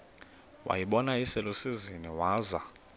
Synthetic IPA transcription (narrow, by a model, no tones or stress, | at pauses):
wʔa̰jiɓɔnaisɛlosiziniwaːza